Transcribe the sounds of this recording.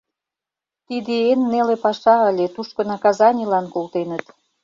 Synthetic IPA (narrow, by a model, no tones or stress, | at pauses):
t̪id̪eenːelepɑʃɑəlʲet̪uʃkɤ̆nɑkɑzɑnʲilɑnkolt̪enət̪